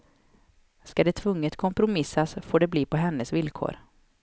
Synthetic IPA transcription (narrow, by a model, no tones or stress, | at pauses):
skad̪ɛt̪ʰvɵŋːət̪kʰɔmpɾʊmɪsːasfoːɖɛbliːpʰɔɦɛnːəsvɪlkʰo̰ːɾ